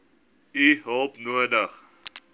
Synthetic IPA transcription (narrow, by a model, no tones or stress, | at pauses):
iɦəlˠpnuədəχ